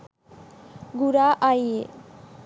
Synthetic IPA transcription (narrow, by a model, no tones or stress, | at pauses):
ɡuɾaʔaje